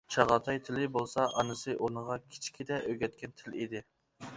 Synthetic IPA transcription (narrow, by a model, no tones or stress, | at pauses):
t͡ʃʰɑʁɑt̪ʰɑjt̪ʰɪlɪbolˠsɑʔɑnɨsɨʔonɨʁɑkʲʰi̥t͡ʃʰi̥kʲid̪ɛʔøɡʲɛt̪̚kʲɛnt̪ʰɪlid̪ɪ